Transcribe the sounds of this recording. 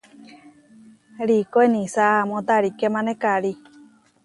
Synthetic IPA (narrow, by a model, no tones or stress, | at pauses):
ɾikoenĩsaamõt̪aɾikemãnekaɾi